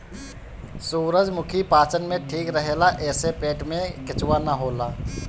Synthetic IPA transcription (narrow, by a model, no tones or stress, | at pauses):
suːɾəd͡ʒmʊkʰipaːt͡ʃənmẽʈʰiːkɾəɦeːlaʔɛːsepeːʈmẽkɪt͡ʃwanaɦoːlaː